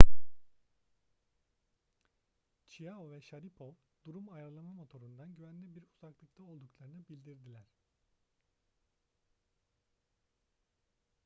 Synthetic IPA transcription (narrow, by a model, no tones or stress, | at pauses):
t͡ʃʰijaovɛʃaɾipʰo̞ | d̪̥uɾumajaɾɯlˠamamo̞t̪ʰo̞ɾund̪anɟyvænlʲibiɾuzaklˠɯkt̪ʰaolˠd̪uklˠaɾɯnɯbilʲd̪iɾd̪ilʲæɾ̥